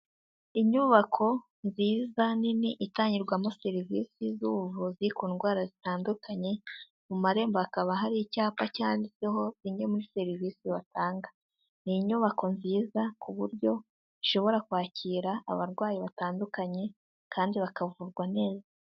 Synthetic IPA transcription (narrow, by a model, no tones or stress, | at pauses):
iɲuβakʰo̞ | nziːzaniniʔitaːɲiɾɡwamoseɾivḭsizuvuziikuːnɡwaːɾazitaːndukʰaɲe̞ | mumaɾe̞ːmboakaβaɦaɾicaːpacaːndiseɦo̞ziɲe̞muɾiseɾiviːsiβatʰaːŋɡḁ | niɲuːβako̞nziːzakuβuɾɟo̞ | iʃo̞βo̞ɾakwaːcʰiːɾaa̰βaɾɡwaːjiβataːndukaɲe̞ | kʰaːndiβakavuɾɡwane̞ːzaa